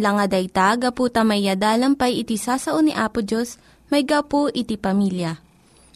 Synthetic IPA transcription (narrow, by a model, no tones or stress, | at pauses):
lɐŋɐd̪ɐjt̪aɡɐpuːt̪ɐmɐjːad̪aːlɐmpɐjɪt̪ɪsaːsɐʔonɪʔaːpʊd͡ʒos | mɐjɡawpoʔɪt̪ɪpɐmiljɐ